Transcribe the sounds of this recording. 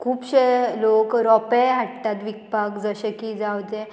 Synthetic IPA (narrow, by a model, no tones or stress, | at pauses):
kʰuːpɕelokɾɔpeɦaʈ̚t̪at̪ʋik̚pakd͡zəɕekiːd͡zawt̪ẽ